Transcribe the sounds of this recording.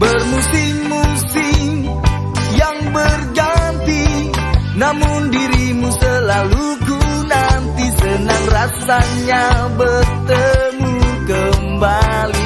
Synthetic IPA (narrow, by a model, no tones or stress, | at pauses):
bərmusɪmːusi | jaŋbərɡant̪i | namʊndiɾimusəlalu | ɡu | nant̪isənaŋrasaɲabərt̪əmukəmbali